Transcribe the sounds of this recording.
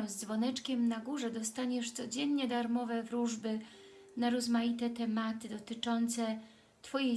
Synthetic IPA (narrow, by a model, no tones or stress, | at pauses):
mzd̪zvɔnɛt͡ʂkʲɛmnaɡuʐɛd̪ɔst̪aɲɛʂt̪sɔd͡ʑɛnɲɛd̪aɾmɔvɛvɾuʐbɘ | naɾɔzmajit̪ɛt̪ɛmat̪ɘd̪ɔt̪ɘt͡ʂɔnt̪sɛ | t̪fɔje